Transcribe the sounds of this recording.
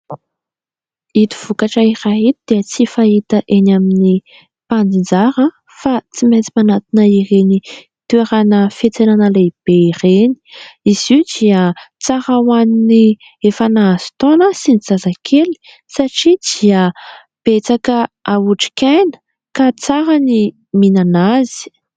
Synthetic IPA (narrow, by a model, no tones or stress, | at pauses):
it̪u̥v̥ukaʈ͡ʂairaɦit̪id̪̥eət͡sifaɦit̪əʔenamini | pand͡zind͡zaɾə | fat͡simet͡si̥manat̪inəireni | t̪ueɾanəfet͡senanəleb̥eireni̥iz̥iud̪iət͡saɾawanini | efanaːzi̥t̪onəsinizazakʰeli̥ | saʈ͡ʂid̪̥iə | b̥et͡sakəauʈ͡ʂi̥kʲajnə̥ | kat͡saɾani | minanazi̥